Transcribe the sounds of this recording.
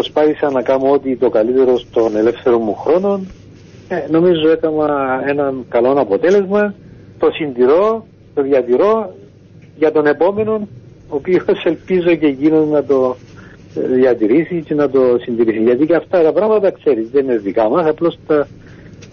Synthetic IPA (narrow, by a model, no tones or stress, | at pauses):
pɾospɐθisɐnɐkɐmoot̪it̪o̞kɐlit̪e̞ɾo̞st̪o̞ne̞le̞fθe̞ɾomːuxɾo̞no̞n | eno̞mizoek̪ɐmɐe̞nɐnkɐlo̞nɐpo̞t̪e̞lezmɐ | t̪o̞sind̪iɾo̞ | t̪o̞ðjɐt̪iɾo̞ | ʝɐt̪o̞ne̞po̞me̞no̞n | oːpiose̞lpizo̞ce̞ʝinonnɐt̪o̞ | ðjɐt̪iɾisicenɐt̪o̞sind̪iɾisiʝɐt̪iceɐft̪ɐt̪ɐpɾɐmɐt̪ɐkse̞ɾizðeineikɐmɐsɐplo̞st̪ɐ